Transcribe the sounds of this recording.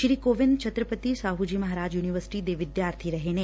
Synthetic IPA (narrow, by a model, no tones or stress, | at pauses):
ʃɾiːkoːʋɪnd̪̚t͡ʃʰət̪ɾəpət̪isaːɦud͡ʒiːmɐɦaɾaːd͡ʒjuːniʋəɾsɪ̥ʈid̪eʋɪd̪jaːɾt̪ʰiɾɐɦene